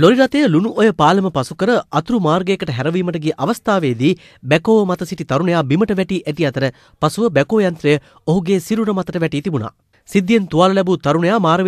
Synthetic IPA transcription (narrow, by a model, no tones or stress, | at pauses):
loɾiɾɐt̪ejəlunuʔojəpaːlɐməpɐsukəɾəʔɐt̪uɾumaːɾɡeːkɐʈəɦɛɾɐʋiːmɐʈɐɡiːʔɐʋɐst̪aːʋeːd̪iː | bɛkoːʋəmɐt̪ɐsiʈit̪ɐɾunejaːbiməʈəʋɛʈiːʔæʈiɐt̪ɐɾə | pɐsuʋəbɛkoːjɐnt̪ɾɐjə | oɦuɡeːsiɾuɾɐmɐt̪əʈəʋɛʈiːt̪ibuna̰ː | sid̪ːijent̪uʋaːlɐlɛbut̪ɐɾunejaːmaːɾɐʋ